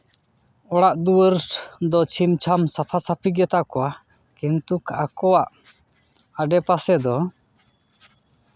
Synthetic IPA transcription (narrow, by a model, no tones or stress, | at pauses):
ɔɽaʔd̪uwəɾd̪ɔt͡ʃʰimt͡ʃʰamsapʰasapʰiɡɛt̪aʔkɔwa | kɛnt̪ukʰakɔwaʔ | aɖɛpasɛd̪ɔ